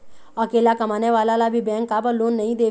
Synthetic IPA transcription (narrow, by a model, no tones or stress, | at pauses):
ɐkeːlakɐmaːneʋaːlalabʱibɛ̃ːŋkːabəloːnːɐɦĩd̪eː